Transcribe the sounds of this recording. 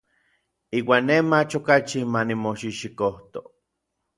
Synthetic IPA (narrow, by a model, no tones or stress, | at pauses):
iːwaːnːemat͡ʃokat͡ʃimanimoʃiʃikoht̪o